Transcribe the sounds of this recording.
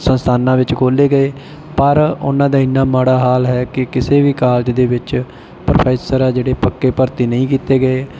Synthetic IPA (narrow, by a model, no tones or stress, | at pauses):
sənst̪ʰaːnãːʋɪt͡ʃkʰoːleːɡəeː | pəɾʊ̰nãːd̪aːɪnːaːmaːɽaːɦaːlɦɛːkɪkɪseːʋiːkaːld͡ʒd̪eːʋɪt͡ʃ | pɾopʰɛːsəɾɛːd͡ʒeːɽeːpəkːeːpəɾt̪iːnəĩːkiːt̪eːɡəeː